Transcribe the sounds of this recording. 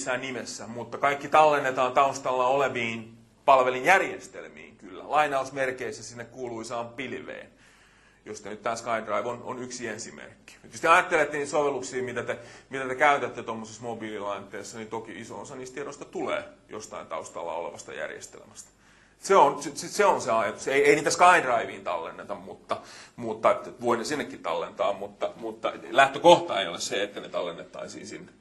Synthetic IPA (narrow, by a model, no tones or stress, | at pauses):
sːænnimesːæmut̪ːɑkɑikːit̪ɑlːenːet̪ɑːnt̪ɑust̪ɑlːɑoleʋiːn | pɑlʋelinjærjest̪ḛlmḭːŋkylːæ̰lɑinɑusmerkeisːæsinːekkuːluisɑːmppilʋḛːn | jost̪enyt̪t̪æːnskɑindrɑiʋono̰nyksiensimḛrkːi̥ut̪jyst̪iɑjɑt̪ːelet̪ːænisoʋelːˑuksiːmit̪æt̪emit̪æt̪ekæyt̪æt̪ːet̪omːosesmobiːlilɑint̪ːeːsːɑnit̪okiiso̰osɑniːst̪t̪ieɾoist̪ɑt̪ulḛːjo̰st̪ɑ̰int̪ɑ̰ust̪ɑ̰lːɑ̰ːolḛʋɑst̪ɑ̰jæ̰rjḛst̪ḛlḛmæst̪ɑ̥ | seonsseseonseɑjɑt̪useieiniːt̪æskɑindrɑiʋiːnt̪ɑ̰lːḛnːet̪ɑmmut̪ːɑmut̪ːɑet̪ʋoinesinːekːitt̪ɑ̰lːent̪ɑ̰ːmmut̪ːɑmut̪ːɑlæht̪økoht̪ɑeijolesseet̪ːænet̪ɑlːenːet̪ːɑ̰isḭːnsḭnːe